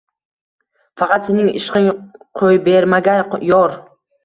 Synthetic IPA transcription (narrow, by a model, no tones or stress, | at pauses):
fɑqɑt̪se̞nɪŋɪ̰ʃqɪŋqʰojbeɾmaɡʲanjɒɾ